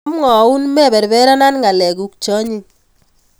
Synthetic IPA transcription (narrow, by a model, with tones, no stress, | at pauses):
mŋɔ˨u˦nmɛ˦˨βɛ˨ɾbɛ˦ɾa˦na˦nŋɡa˨lɛ˨ku˨k̚t͡ʃɔ˦ɲi˦